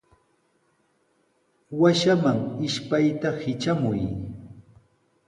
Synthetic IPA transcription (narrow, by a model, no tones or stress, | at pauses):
waʃamaŋɪʃpajt̪ahɪt͡ʃamʊj